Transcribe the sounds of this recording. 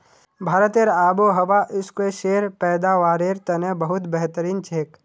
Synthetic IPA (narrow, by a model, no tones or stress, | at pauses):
bʱaːɾət̪eːɾaːboɦɐʋaʔɪskeʃeːɾpɛːd̪aːʋaːɾeːɾt̪ɐnẽbəɦʊt̪bɛɦt̪əɾiːnt͡ʃʰeːk